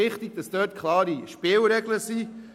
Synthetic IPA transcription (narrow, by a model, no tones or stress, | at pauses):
ɪχt̪iɡ̥̚d̥ɑsd̥øːt̚kʰlɑːɾiʃpɪːlɾɛɡləsi